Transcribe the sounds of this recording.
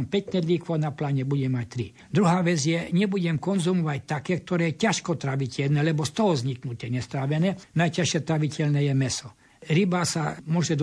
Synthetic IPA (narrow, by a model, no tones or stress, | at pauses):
mpɛcnɛd̪liːkʋɔnaplaːɲɛbuɟɛmːac̚t̪ɾi | d̪ɾuɦaːʋɛd͡zjɛɲɛbuɟɛmkɔnzumɔʋact̪akɛːk̚t̪ɔɾɛːjɛcaʃkɔt̪ɾaʋicʰɛʎnɛːlɛbɔst̪ɔɦɔzɲiknut̪ɛɲɛst̪ɾaːʋɛnɛnajcaʃɪɛt̪ɾaʋicɛlnɛːjɛmɛsɔ | ɾibasamʊɔʒɛd̪